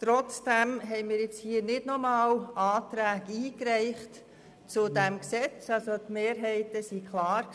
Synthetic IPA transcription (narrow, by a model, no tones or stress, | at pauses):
t̪ɾɔt͡sd̥æmɦɛɪmɪːɾjɪt͡shiːnɪdnɔmɑːlɑːtɾæːɡiːkɾɛɪχt | t͡sʊdɛmksɛt͡sɑlsotmeːɾɦɛɪtəsikʰlɑːɾ